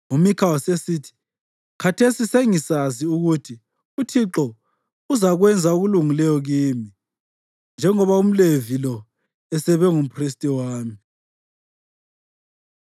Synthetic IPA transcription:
umikʰawɔsesiːtʰi̥ | kʰatʰesiseŋisaziuɣutʰi | utʰiǁɔ | uzaɣwɛnd͡zʱauɣuluŋilɛjɔɣiːmi | nd͡ʒʱɛŋɔβaum̩levilɔ | ɛsɛβɛŋum̩pʰris̬tʼiwaːmi

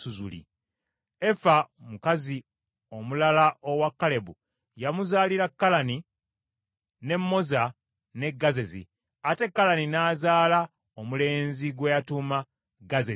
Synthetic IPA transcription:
uzṵlḭ | efamukazi | o̞mulalaʔo̞wakːale̞bu | jamuzaːliɾakːalani | ne̞mːo̞za | ne̞ɡːaze̞zḭ | ate̞kːalaninaːzaːla | omule̞ːnziɡwejatuma | ɡaze

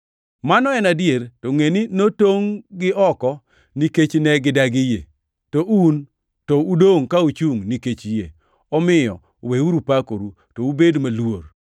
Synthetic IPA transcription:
manɔɛnadjeɾtoŋeninotoŋɡɪʔɔkɔ | niket͡ʃnɛɡɪdaɡɪjḛ | toʔun | toudoŋkaut͡ʃuŋniket͡ʃjḛ | ɔmɪjɔ̰ | weuɾupakoɾu | toubedmalwor

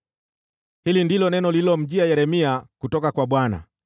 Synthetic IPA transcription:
hilindilɔnɛnɔlilɔm̩ʄiajɛɾɛmiakutɔkakwaɓwana̰

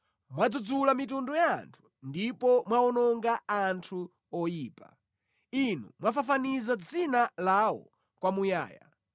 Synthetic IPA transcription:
mwad͡zud͡zulamitundɔja̰ːntʰu̥ | ndipɔmwaɔnɔŋɡaantʰu | ɔjiːpa̰ | inṵmwafafanizad͡zinalawɔ̰ | kwamuja̰ːja̰

